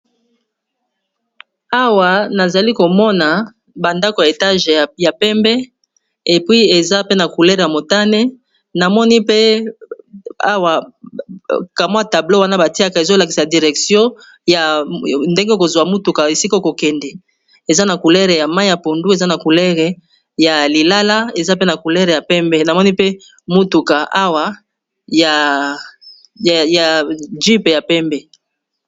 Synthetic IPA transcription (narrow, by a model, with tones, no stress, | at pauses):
a˦wa˨na˨za˨li˦ko˨mɔ˦na˨ | ba˨nda˦ko˨ja˨e˨ta˦ʒja˨pɛ˦mbɛ˦ | e˨pwi˦e˨za˦pe˦na˨ku˨lɛ˦ʁja˨mo˨ta˦ne˦ | na˨mɔ˦ni˦pe˦ | a̰˦wa˨ | ka˨m˦a˦ta˨blo˦wa˦na˦ba˨ti˦a˦ka˨e˨zo˦la˨ki˨sa˨di˨ʁɛ˨ksjɔ̃˦ | ja˨nde˦ŋɡe˦ko˨zwa˨mu˦tu˨ka˨e˨si˦ka˦ko˨kɛ˨ndɛ˨ | e˨za˦na˨ku˨lɛ˦ʁe˨ja˨ma˦i˦ja˨po˨ndu˦e˨za˦na˨ku˨lɛ˦ʁe˨ | ja˨li˨la˦la˦e˨za˦pe˦na˨ku˨lɛ˦ʁe˨ja˨pɛ˦mbɛ˦na˨mɔ˦ni˦pe˦ | mu˦tu˨ka˨ʔa˦wa˦ | ja˨ | ja˨ʒi˦pe˨ja˨pɛ˦mbɛ˦